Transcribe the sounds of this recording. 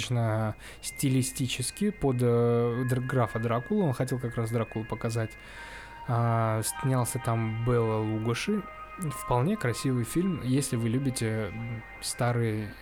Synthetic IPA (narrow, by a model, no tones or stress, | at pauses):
t͡ɕnə | sʲtʲɪlʲɪsʲtʲit͡ɕɪskʲɪpod̪d̪ɡɾafəd̪ɾakulˠəo̞nxɐtʲe̞lˠkɐkɾasd̪ɾakulˠəpəkɐzatʲ | asʲnʲalˠsʲət̪ambɛlˠəlˠuɡəʂɨ | fpɐlˠnʲe̞kɾɐsʲivɨjfʲilʲmjesʲlʲɪvɨlʲubʲɪtʲɪ | st̪aɾɨj